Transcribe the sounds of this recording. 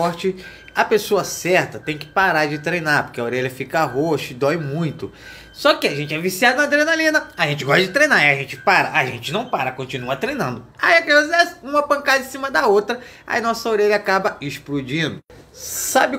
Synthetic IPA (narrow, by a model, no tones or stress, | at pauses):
ɔɾt͡ʃɪ | ɐpesoɐsɛɾt̪ɐt̪ẽj̃kɪ̥paɾaɾd͡ʒɪt̪ɾejnaɾpo̥ɾkeɐoɾeʎɐfikɐaɦoʃʊd̪ɔjmũj̃t̪ʊ | sɔkɪaʒẽnt͡ʃɪɛvisiad̪ɐnɐd̪ɾenalĩnɐaʒẽt͡ʃɪɡɔʃt̪ɐd͡ʒɪt̪ɾejnaiɐʒẽnt͡ʃɪ̥paɾɐʔaʒẽnt͡ʃɪnɐ̃w̃paɾɐkõt͡ʃinuɐt̪ɾejnɐ̃nd̪ʊa̰iɐkeɐ̃ɛsũmɐpɐ̃ŋkad̪ɐɪ̃sĩmɐd̪ɐot̪ɾɐ | a̰inɔsɐoɾeʎɐaːkabɐɪʃplud͡ʒĩd̪ʊ | sabɪ